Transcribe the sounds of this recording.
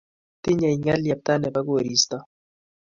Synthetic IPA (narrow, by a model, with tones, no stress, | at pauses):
ti˦ɲa˨i˨ŋa˦lja˨p̚t̪a˦nɛ˨ba˦ɣo˦˨ɾi˨sta˦